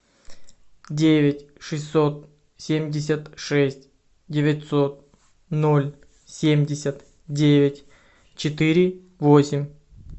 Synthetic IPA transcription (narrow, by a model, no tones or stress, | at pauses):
dʲevʲɪtʲʂɨsʲo̞t̪̚ | sʲemʲdʲɪs̬ʲət̪ʂɛsʲtʲ | dʲɪvʲɪt̪ʲso̞t̪̚ | nolʲ | sʲemʲdʲɪsʲət̪ | dʲevʲɪtʲ | t͡ɕɪt̪ɨɾʲɪ | vo̞sʲɪmʲ